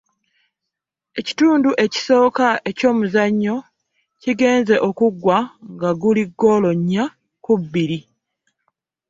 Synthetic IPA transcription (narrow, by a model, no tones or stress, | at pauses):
e̞ci̥tuːnduʔe̞ci̥so̞ːkaʔe̞co̞ːmuzaɲːo̞ | ciɡe̞ːnze̞ʔo̞kuɡwaŋɡaɡuliɡːo̞ːlo̞ɲːa | kubːiɾi